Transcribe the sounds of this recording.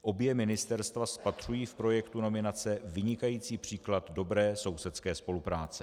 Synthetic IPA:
ʔo̞bjɛmɪnɪst̪ɛɾst̪vaspat̪r̝̥ujiːfpɾo̞jɛkt̪uno̞mɪnat͡sɛvɪɲɪkajiːt͡siːpr̝̥iːklat̪do̞bɾɛːso̞wsɛt̪skɛːspo̞lupɾaːt͡sɛ

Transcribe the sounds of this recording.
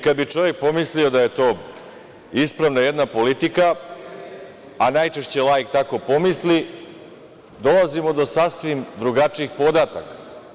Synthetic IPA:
kad̪bit͡ʃo̞ʋjek̚po̞mislio̞d̪aje̞t̪o̞ː | ispɾaʋnaje̞d̪napo̞lit̪ika | najt͡ʃe̞ʃt͡ɕe̞lˠajkt̪ako̞po̞misli | d̪o̞lˠazimo̞d̪o̞sasʋimd̪ɾuɡat͡ʂiixpo̞d̪aːt̪akḁ

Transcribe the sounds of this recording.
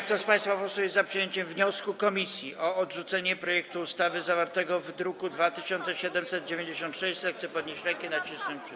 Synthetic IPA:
k̚t̪ɔspaj̃st̪fapɔsujɛzapʂɨjeɲt͡ɕɛmvɲɔskukɔmʲisʲjiʔɔɔdʐut̪sɛɲɛpɾɔjɛk̚t̪uːst̪avɘzavaɾt̪ɛɡɔvd̪ɾukud̪vat̪ɘɕɔnt̪sɛɕɛd̪ɛmsɛd̪̚d͡ʑevʲjeɲd͡ʑeɕɔ̃nt̪ʂɛɕsɛt̪xt̪sɛpɔd̪̚ɲeɕt͡ɕɾɛŋkɛnat͡ɕiswɛmpʂ

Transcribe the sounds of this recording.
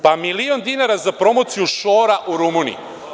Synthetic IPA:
pamiliond̪inaɾazapɾo̞mot̪sijuʃoːɾaʔuɾumunḭj

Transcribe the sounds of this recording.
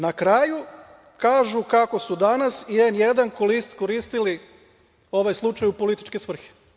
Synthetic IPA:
nakɾaːju | kaːʒukako̞sud̪anasienjed̪ankolist̪ko̞ɾiːst̪ili | o̞ʋajslˠut͡ʃajupo̞lit̪i̥t͡ʃkesʋr̩xe̥

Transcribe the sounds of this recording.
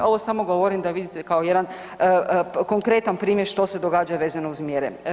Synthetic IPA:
o̞ʋosamoɡo̞ʋo̞ɾimd̪aʋid̪it̪ekao̞jed̪an | ko̞ŋkɾe̞t̪anpɾiːmjeɾʃt̪o̞se̞d̪o̞ɡaːd͡ʒaʋeːzanouzmjeɾḛ

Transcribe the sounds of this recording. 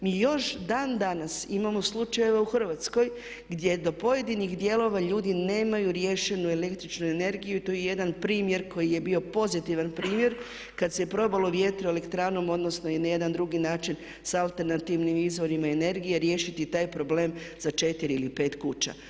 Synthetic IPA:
miːjo̞ʃd̪aːnd̪anasimamo̞slˠut͡ʃaje̞ʋauxr̩ʋat̪sko̞j | ɡd̪je̞d̪o̞po̞je̞d̪inixd̪je̞lo̞ʋaʎuːd̪ine̞ːmajuɾje̞ʃe̞nue̞le̞kt̪ɾit͡ʃnue̞ne̞ɾɡijuit̪ojeje̞d̪anpɾiːmje̞ɾkʰo̞jije̞bio̞po̞zit̪iʋanpɾiːmje̞ɾ | kad̪sepɾo̞baloʋjet̪ɾie̞le̞kt̪ɾaːno̞mo̞d̪no̞snonaje̞d̪and̪ɾuɡinaːt͡ʃin | salˠt̪e̞ɾnat̪iʋnimizʋo̞ɾimaene̞ɾɡijeɾje̞ʃit̪it̪aːjpɾo̞ble̞ːmz̥at͡ʃe̞t̪iɾiilipe̞ːt̪kut͡ʃa̰

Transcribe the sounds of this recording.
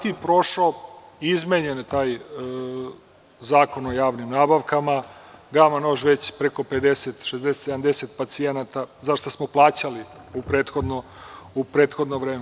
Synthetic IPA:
t̪ipɾo̞ʃoizmeɲent̪aːj | zaːko̞nojaːʋnimnaːbaʋkamaɡamanoʒʋe̞t͡ɕpɾeko̞pe̞d̪eset̪ʃezd̪eset̪seamd̪eset̪pat̪sienat̪azaʃt̪osmoplˠaːt͡ɕali | upɾe̞ːt̪xo̞d̪no | upɾeːt̪xo̞d̪noʋɾeːme

